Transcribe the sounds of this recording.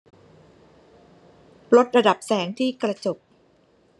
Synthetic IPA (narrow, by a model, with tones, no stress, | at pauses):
lo˦˥t̪̚ɾa˧da˨˩p̚sɛː˩˦ŋt̪ʰiː˥˩kɾa˧t͡ɕo˨˩p̚